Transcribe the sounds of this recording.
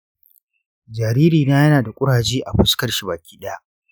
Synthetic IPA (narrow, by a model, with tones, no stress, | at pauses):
d͡ʒaː˨ɾiː˦ɾiː˨naː˦jɐ˦naː˨da˨kʷʼʊ˦ɽaː˨d͡ʒiː˦ʔa˨ɸʊ˦skɐ˨rʃi˨baː˨kʲiː˦ɗɐ˦ja˦ʔ